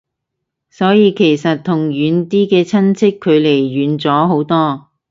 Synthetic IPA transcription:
sɔː˨˥jiː˨˧kʰe˨˩jsɐ˨t̚t̪ʰːʊ˨˩ŋɥyː˨˥nt̪iː˥kɛː˧t͡sʰɐ˥nt͡sʰɪ˥kʰːɵ˨˧ɥle˨˩jːyː˨˥nt͡sɔː˨˥ɦo˨˥wt̪ɔː˥

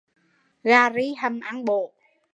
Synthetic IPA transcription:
ɣaː˧ɾi˧˦hə˧˩mʔa˧˥ŋɓo˧˨

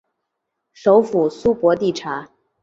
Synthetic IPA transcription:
ʂo˧˥ʊfu˨˩su˥pwɔ˧˥t̪i˥˩ʈ͡ʂʰa˧˥

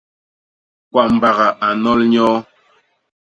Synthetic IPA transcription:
kwa˦˨m̩˨ba˨ɣa˨ʔa˨nɔ˦lɲɔː˦

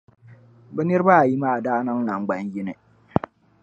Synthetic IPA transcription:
bɛ˦nɪ˦ɾɨ˦ba˦a˨ji˦maː˦˨a˨daː˦na˦ŋna˨ŋɡ͡ba˨˦njɪ˦nɨ˨

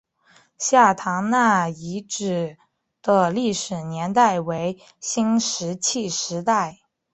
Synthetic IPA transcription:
ɕja˥˩t̪ʰɑ˧˥ŋna˥˩i˧˥ʈ͡ʂɻ̩˨˩ | d̪̥ə˧li˥˩ʂɻ̩˨˩njɛ˧˥nt̪a˥˩ɪwe˧˥ɪ | ɕi˥ŋʂɻ̩˧˥t͡ɕʰi˥˩ʂɻ̩˧˥t̪a˥˩ɪ

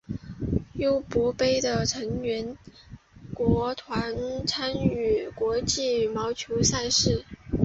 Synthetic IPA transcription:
jo˥˩ʊpɔ˧˥pe˥ɪd̪ə˨ʈ͡ʂʰɤ˧˥ŋɥɛ˧˥n | kwɔ˧˥t̪ʰwa˧˥nt͡sʰa˥ny˥˨˩kwɔ˧˥t͡ɕi˥˩mɑ˧˥ʊt͡ɕʰjo˧˥ʊsa˥˧ɪʂɻ̩˥˩

